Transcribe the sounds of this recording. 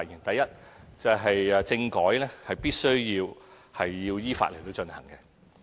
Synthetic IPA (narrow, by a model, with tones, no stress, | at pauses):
ji˨˩ŋt̪ɐ˨jːɐ˥t̚t͡sɐ˨˩wɦɐ˨jt͡sɪ˧ŋkɔː˨˥jlɛː˥hɐ˨jpiː˥t̚sɵ˥ɥjiː˧w | hɐ˨jːiː˧wjiː˥fa̰ː˧t̚le˨˩t̪o˨˥wt͡ʃɵ˧nhɐ̰˨˩ŋkɛ˧